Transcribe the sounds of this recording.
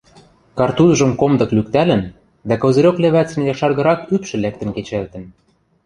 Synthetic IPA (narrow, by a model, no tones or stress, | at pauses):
kɑrt̪uzʒɤ̆mkomd̪ɤ̆klyk̚t̪ælɘ̆n | d̪ækŏzɤ̆ɾʲokleβæt͡sɘ̆njɑʃɑrɣɤ̆ɾɑkypʃɘ̆læk̚t̪ɘ̆nket͡ɕælt̪ə̆n